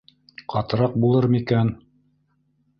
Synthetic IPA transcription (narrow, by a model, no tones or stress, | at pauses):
qɑt̪ɤ̆ɾɑq̚bulˠɤɾmikæn